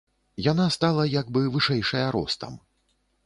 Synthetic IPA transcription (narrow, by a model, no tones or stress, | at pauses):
janast̪alˠɐjaɡbɨvɨʂɛjʂɐjɐɾɔ̰st̪ɐ̰m